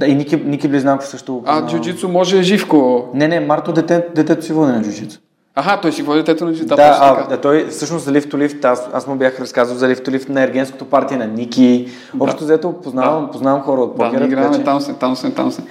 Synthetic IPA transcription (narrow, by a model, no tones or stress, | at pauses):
d̪ainikinikibliznawko̥sɤʃt̪oad͡ʒud͡ʒit̪sʊmɔʒɛːʒifkonɛnɛmaɾt̪od̪ɛt̪ɛd̪ɛt̪ɛt̪ʊsivɔd̪inɐd͡ʒud͡ʒit̪so̥ | aɦat̪ɔjsivɔd̪d̪ɛt̪ɛt̪ʊnɐd͡ʒiad̪aaɐt̪ɔjfsɤʃnoʊszɐlift̪ʊlift̪asa̰smʊbʲjaxɾɐskazvəlˠzɐlift̪ʊlifnɐɛɾɡʲɛnsko̥t̪opaɾt̪iɛnɐnʲikʲi | ɔpʃt̪t̪zɛt̪opoznavɐmpoznavɐmxɔɾəot̪̚pɔkʲɛɾɾaaɛt̪amsɛt̪amsɛt̪a̰msɛ